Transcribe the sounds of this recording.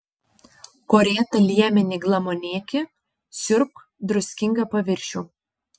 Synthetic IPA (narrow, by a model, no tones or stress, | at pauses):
koːɾʲeːt̪ɐlʲiɛmʲɪnʲɪɡlˠɐmonʲiːkʲɪ | sʲʊɾk | d̪ɾʊsʲkʲɪŋɡɐpɐʋʲɪɾʲʃʲuː